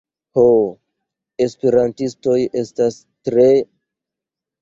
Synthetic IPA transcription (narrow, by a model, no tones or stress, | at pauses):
ho | espeɾantisto̞je̞stas | tɾe̞